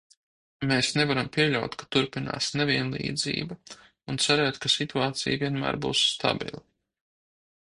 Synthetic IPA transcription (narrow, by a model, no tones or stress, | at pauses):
meːsnɛvaɾampʲiɛʎʲawt̪kat̪uɾpina̰ːsneviɛnlˠḭːd̪zḭːba | unt̪saɾɛːt̪kasit̪uaːt̪sḭjvʲiɛnmæ̰ːɾbṵːsːt̪a̰bḭlˠa